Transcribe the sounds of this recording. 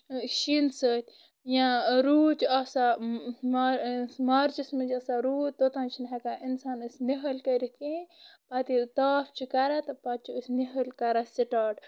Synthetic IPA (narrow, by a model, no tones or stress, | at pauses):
ʃinsəːt̪ʲ | jãɾuːt͡ʃasamɾmaɾt͡ʃismid͡ʒɐsaɾuːt̪ot̪ãːnt͡ʃʰinɦekaːʔinsaːnɨsʲniɦɐlkɐɾit̪̚kĩːpat̪it̪aːft͡ʃʰikɐɾat̪pat̪̚t͡ʃʰiusʲniɦəlkɐɾasiʈaːʈ